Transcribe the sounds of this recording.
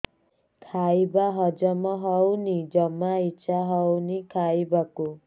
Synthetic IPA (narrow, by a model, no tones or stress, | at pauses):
kʰajbaɦɔd͡ʒɔmɔɦɔwnid͡ʒɔmaiːʃʰaɦɔwnikʰajbaku